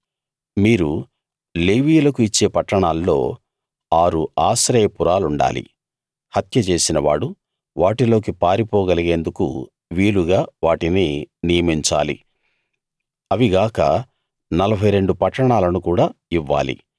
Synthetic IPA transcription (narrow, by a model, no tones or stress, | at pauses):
miːɾu | leːʋiːlɐkuit͡ʃːe̞ːpɐʈːɐɳaːlːo̞ː | aːɾuaːsɾɛːjɐpuɾaːluɳɖa̰ːlḭ | hɐt̪jɐt͡ʃe̞ːsinɐʋa̰ːɽu | ʋaːʈilo̞ːk̬ipaːɾipɔːɡɐliɡe̞ːnd̪ukṵ | ʋiːluɡaːʋaːʈineːnijɐmiɲt͡ʃa̰ːlḭ | ɐʋiɡaːkɐ̰ | nɐlɐbʱɐjɾe̞ɳɖupɐʈːɐɳaːlɐnukuːɽaːiʋːa̰ːlḭ